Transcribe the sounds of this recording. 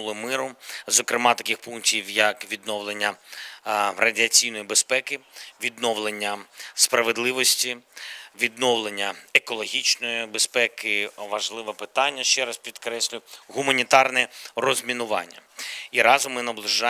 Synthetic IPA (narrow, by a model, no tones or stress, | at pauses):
lˠɪmɪɾʊzɔkɾɪmɑt̪ɐkʲixpunktʲiwjɐkʋʲid̪nɔwlˠenʲːɐ | rɐdʲiɐt͡sʲijnɔjibespɛkɪʋʲid̪nɔʋlˠenʲːɐspɾɐʋed̪lˠɪʋɔsʲtʲiʋʲid̪̚nɔwlˠenʲːɐekɔlˠɔɦʲit͡ʃnɔjibespɛkɪʋɐʒlˠɪʋɛpɪt̪ɑnʲːɐʃt͡ʃɛɾɑspʲid̪kɾɛsʲlʲʊɣʊmɐnʲit̪ɑrnɛrɔzʲmʲinʊʋɑ̰nʲːɐ̰iɾɑzʊmːɪnɐblˠɪʒɑ